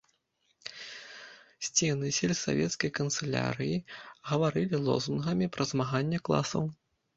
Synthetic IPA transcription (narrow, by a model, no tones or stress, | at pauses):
sʲt͡sʲɛnɨsʲɛlʲsa̰vʲɛ̰t̪skɐjkɐnt̪sɛlʲa̰ɾɨjiɣɐvaɾɨlʲilˠɔ̰zunɣɐmʲipɾʔɐzmaɣanʲːɛklˠa̰sɐ̰w